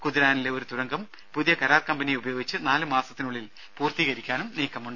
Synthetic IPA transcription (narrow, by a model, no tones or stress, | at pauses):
kuðiɾaːnile̞o̞ɾut̪uɾɐŋɡɐm | puðijɐkɐɾaːrkɐmbɐnijeubɐjoːɡit͡ɕːɨnaːlɨmaːsɐ̥t̪ːinuɭːil | puːrt̪iːɣɐɾikʲːaːnumniːkːɐmuɳɖɨ